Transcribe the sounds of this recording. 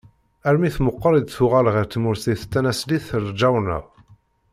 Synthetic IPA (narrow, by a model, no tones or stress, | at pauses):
æɾmiθməqːəɾˤid̪θʊʁælʁəɾt̪ːmʊɾsiθt̪ːænæsliθəɾd͡ʒæwnə̰ʁ